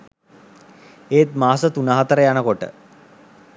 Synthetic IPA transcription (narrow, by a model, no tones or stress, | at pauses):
eːt̪maːsət̪unaːɦat̪əɾəjanəkoʈə̰